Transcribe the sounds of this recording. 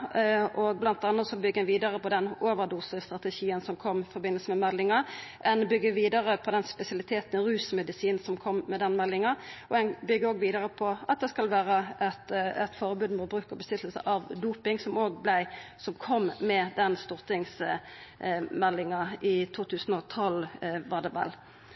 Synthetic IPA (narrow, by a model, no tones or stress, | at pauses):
ʔɔɡ̚blɑnt̪̚d̪ɑnːəsɔbʏɡːɛnʋiːd̪ɑʁəpɔd̪ɛnoːʋəɾd̪uːsəst̪ʁɑt̪əʃiːənsɔmkʰɔmːɪfɔʁbɪnəl̩səmɛmɛlːɪŋɑʔɛnbʏɡːəʋiːd̪ɑʁəpʰɔd̪ɛnspɛsɪɑlɪt̪ʰeːt̪n̩ɪɾʉːsmɛd̪ɪsiːn̩sɔmkʰɔmmɛd̪ɛnmɛlːɪŋɑʔɔɛnbʏɡːəoːɡʋiːd̪əʁəpʰɔɑt̪̚d̪ɛskɑlʋæːʁəʔɛt̪ɛt̪fɔʁbʉːd̪mʊt̪̚bɾʉːkɔbəsʏt̪ːl̩sə̰ʔɑʋd̪uːpɪŋsɔmoːɡblæɪsɔmkʰɔmːmɛd̪ɛnst̪ʊʁt̪ɪŋs | mɛlːɪŋɑʔɪt̪ʰuːt̪ʰʉːsən̩ɔt̪ʰɔlʋɑʁd̪ɛʋɛ̰l